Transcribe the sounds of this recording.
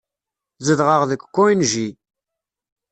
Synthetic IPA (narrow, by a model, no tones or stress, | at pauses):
zəðʁəʁðəkʷːkːoinʒi